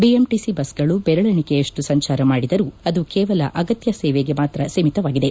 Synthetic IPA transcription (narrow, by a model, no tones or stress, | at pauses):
biemʈisibɐsɡɐɭubɛɾɐɭɐɳike̞ːʂʈusɐɲt͡ʃaːɾɐmaːɽid̪ɐɾuɐd̪ukɛːʋɐlɐ̰ʔɐɡɐt̪jɐsɛːʋeɡe̞maːt̪ɾɐsemit̪ɐʋaːɡid̪e